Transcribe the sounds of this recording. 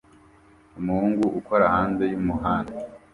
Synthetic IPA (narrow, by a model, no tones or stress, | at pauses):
umuhuːŋɡuʔuko̞ɾahaːnze̞jumuɦaːnda